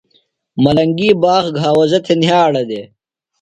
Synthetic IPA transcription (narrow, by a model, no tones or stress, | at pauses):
mɐlɐŋɡiːbaːxɡʱaːwɐzɐt̪ʰenjaːɽɐd̪eː